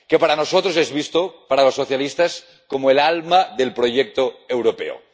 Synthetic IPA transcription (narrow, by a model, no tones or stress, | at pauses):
kepaɾanosot̪ɾosezβ̞ist̪opaɾalosːoθjalist̪as | komoelalmaðelpɾoʝek̚t̪oewɾopḛo̰